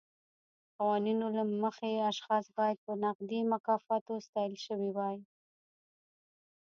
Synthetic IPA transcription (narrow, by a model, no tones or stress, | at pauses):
qawɑninolaməxeaʃxɑsbɑjad̪̚pənaqd̪imakɑfɑt̪ost̪ɑjəlʃəwiwɑj